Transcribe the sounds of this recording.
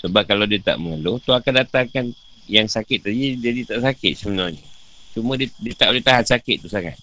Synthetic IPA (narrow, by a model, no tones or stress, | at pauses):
səbap̚kalawdiət̪a̰ʔməŋəlʊt̪uakandat̪aŋkan | jaŋsakɪt̪̚ːəd͡ʒid͡ʒadit̪aʔsakɪt̪̚səbənalɲat͡ʃumə̃didiət̪aʔulet̪aɦansakɪt̪̚ːusaŋa̰t̪̚